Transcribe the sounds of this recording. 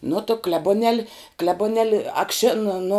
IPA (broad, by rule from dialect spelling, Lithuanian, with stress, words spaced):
nʊ tʊ klʲɛbʊˈnʲɛlʲ klʲɛbʊˈnʲɛlʲ ɐkˈʃʲɪn nʊ